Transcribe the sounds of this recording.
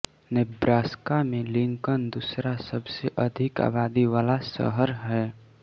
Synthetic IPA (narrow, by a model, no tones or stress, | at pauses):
nɪbɾaːskamẽlɪ̃ŋkənd̪usɾasəbseʔəd̪ʱɪka̰ːbaːd̪iʋaːlasə̰ɦəɾɦɛː